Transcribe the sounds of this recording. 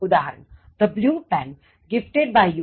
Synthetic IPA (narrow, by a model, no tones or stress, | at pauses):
ʊd̪aːɦəɾə̰nd̪̥əbljuːpɛ̃n | ɡɪfʈeɖ̚baɪju